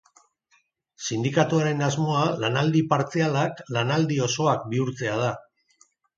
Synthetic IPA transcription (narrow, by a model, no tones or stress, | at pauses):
sind̪ikat̪uaɾe̞nazmo̞alanald̪ipaɾt͡sialaklanald̪io̞so̞ak̚biuɾt͡se̞að̞a